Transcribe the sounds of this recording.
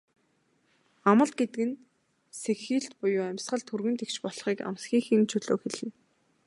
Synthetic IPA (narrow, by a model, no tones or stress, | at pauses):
amə̆ɮt̪̚ɡet̪ɘ̆ɡɘ̆n | sexiːɬt̪pʊjʊːæmʲsɢə̆ɮt̪ʰurɣɘ̆nt̪ekt͡ɕpɔɮχiːka̰msxʲiːxɘ̆ŋt͡ɕʰɵɮoːkxeɮɘ̆n